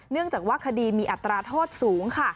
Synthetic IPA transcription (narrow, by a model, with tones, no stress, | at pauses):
nɯ˥˩əŋt͡ɕaː˨˩k̚waː˥˩kʰa˧diː˧miː˧ʔa˨˩t̪ːɾaː˧t̪ʰoː˥˩t̪̚suː˩˦ŋkʰa˥˩